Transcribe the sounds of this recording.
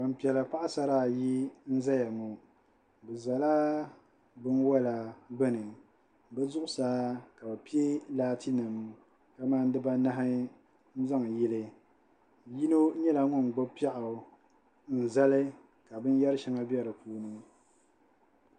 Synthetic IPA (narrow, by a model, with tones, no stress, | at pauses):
wa˨m˨pi˨ɛ˨la˨pa˦ʔa˦sa˦ɾaː˦˨ji˦n̩˦za˦ja˨ŋu˨ | bɛ˨za˨la˦ | bɨ˦nwa˦la˨bɨ˦nɨ˨ | bɛ˦zʊ˦ʔʊ˦saː˦ka˨ba˨pi˦e˦laː˦tʰi˦nɨ˨m | ka˦maː˦n˦dɨ˦ba˦na˦ɦɪ˦ | n̩˦za˦ŋ˨jɛ˦lɨ˨ | ji˦no˦ɲɛ˦la˨ŋʊ˦˨n˨ɡ͡bɔ˦pi˦a˦ʔa˨ | n̩˨za˦lɨ˦ | ka˨bɨ˦n˦jɛ˦ɾɨ˦ʃa˦ŋa˦bɛ˦ɾɨ˨puː˨˦nɨ˦